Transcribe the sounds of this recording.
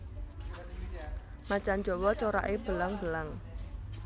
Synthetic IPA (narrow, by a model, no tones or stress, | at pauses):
mat͡ʃand͡ʒɔ̤wɔt͡ʃoɾa̰ʔeb̥əlaŋb̥əlaŋ